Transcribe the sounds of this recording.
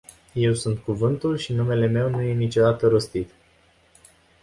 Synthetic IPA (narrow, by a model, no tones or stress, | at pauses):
je̞wsunt̪̚kuvɨnt̪ulʃinume̞le̞me̞wnuje̞nit͡ʃo̞d̪at̪əɾo̞st̪it̪